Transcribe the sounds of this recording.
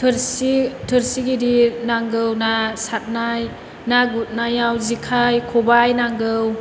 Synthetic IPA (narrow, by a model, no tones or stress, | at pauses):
tʰɾsitʰɯɾsiɡidinaŋɡɯwnasat̚naj | naɡut̚najawzikʰajkʰɔbajnaŋɡɯw